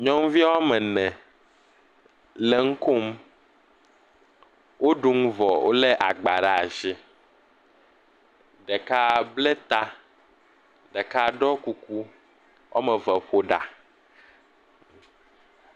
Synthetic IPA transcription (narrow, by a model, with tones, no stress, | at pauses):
ɲɔ̃˦ŋ˦vi˦a˦wa˦mɛ̃˨nɛ̃˨ | lɛ˦ŋ̩˦ko˦m | wʔo˦ɖu˨ŋ̩˦vɔ˨wo̰˦lɛ˦ʔa˨ɡ͡ba˨ɖa˨a˨zi˦ | ɖɛ˨ka˦blɛ˦t̪a˦ | ɖɛ˨ka˦ɖɔ˦ku˨ku˦ | wʔa̰˦mɛ̃˨vɛ˨ɸo˦ɖa̰˨